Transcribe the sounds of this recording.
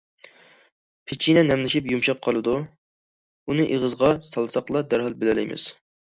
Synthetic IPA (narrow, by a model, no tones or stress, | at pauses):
pʰɪt͡ʃʰinɛnɛmlɪʃipjumʃɑp̚qʰɑlˠɨd̪u | unɨʔeʁəzʁɑsɑlˠsɑqlˠɑd̪æɾɦɑlˠbɪlɛlɪ̰jmɪ̰z̥